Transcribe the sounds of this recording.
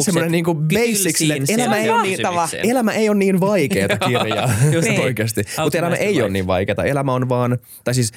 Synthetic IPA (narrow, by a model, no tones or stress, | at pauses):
semːoneniːŋkubeissːiksilːeelæmæejonniːt̪ɑʋɑelæmæʔejonniːnʋɑikeːt̪ɑkirjɑ̰ːpoikæst̪imut̪elæmæ̰ʔejoːnniːʋʋɑ̰jkeːt̪ɑelæmæonʋɑːn | t̪ɑjsiːs